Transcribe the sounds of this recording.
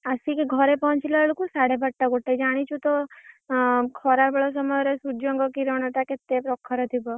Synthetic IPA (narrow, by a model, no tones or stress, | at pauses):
əsikeɡʱɔɾepɔɦɔ̃nt͡ʃileɭukusaɽebʱəʈːaɡoʈʰːed͡ʒaɽ̃it͡ʃʰũt̪ɔ | kʰɔɾaɾbɔɭɔs̬ɔmɔjɾesud͡ʒɔŋɡɔkiɾɔɳɔʈaket̪ːepɾɔkʰːɔɾɔt̪ʰibɔ